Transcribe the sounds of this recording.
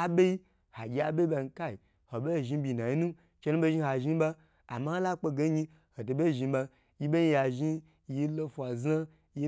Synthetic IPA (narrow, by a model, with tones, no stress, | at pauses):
a˦be˦i˦ | ha˨ɡʲi˧a˨be˦ba˧n̩˧ka˦i˨ | ho˨be˦˨ʒi˧bʲi˧˨na˨ji˦nu˦ | t͡ʃe˧nu˦be˦ʒi˦ha˨ʒi˦ba˧ | a̰˨ma˦a˦la˦k͡po˧ɡe˦ɲi˧ | ho˨to˨be˦˨ʒi˧ba˧ | ji˦be˦ɲi˧˦ja˨ʒi˦ | ji˦lo˦fʷa˨za˦ | ji˦